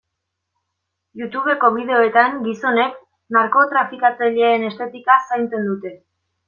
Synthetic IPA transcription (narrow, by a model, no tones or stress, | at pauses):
jut̪uβ̞e̞ko̞βið̞e̞o̞e̞t̪aŋɡiso̞ne̞k | naɾko̞t̪ɾafikat͡saʎeaene̞st̪e̞t̪ikasajnt͡se̞nd̪ut̪e̞